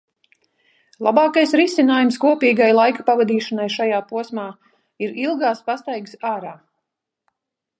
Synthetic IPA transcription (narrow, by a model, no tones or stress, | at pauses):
lˠabɑːkajsɾisinaːjumskuɔpiːɡajlˠajkḁpavad̪iːʃanajʃajaːpuɔsmaː | iɾilˠɡaːspast̪ajɡsaːɾaː